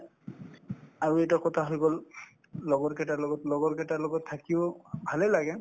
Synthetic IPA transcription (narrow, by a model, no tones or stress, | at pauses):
aɹuɛjtakɔtʰaɦojɡɔl | lɔɡɔɹkɛtalɔɡɔtlɔɡɔɹkɛtalɔɡɔtʰːakibʱalɛlaɡɛ